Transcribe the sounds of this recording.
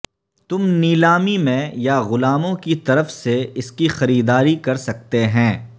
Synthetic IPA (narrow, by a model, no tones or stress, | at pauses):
t̪ʊmniːlaːmimẽjaɣʊlaːmõkit̪ɐɾəfseɪskixɐɾiːd̪aːɾikɐɾsɐk̚t̪eɦɛ̃ː